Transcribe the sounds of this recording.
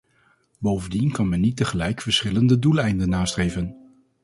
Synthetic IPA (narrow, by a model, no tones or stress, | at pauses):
bowvəndinkɑnmɛnːit̚əχəlɛjkfəɹsχɪləndədulˠɛjndənːaːstrejvən